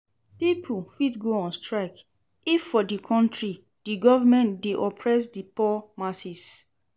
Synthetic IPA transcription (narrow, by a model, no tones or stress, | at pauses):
pipʰufitɡoɔ̃nstɹak | ifːɔdikʰɔ̃ntɹi | diɡɔvəmɛ̃ndeʔɔpʰɹɛs̬dipɔmasis